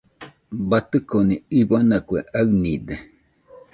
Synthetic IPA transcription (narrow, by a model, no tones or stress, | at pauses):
bat̪ɨkoniibanakweʔaɨnid̪e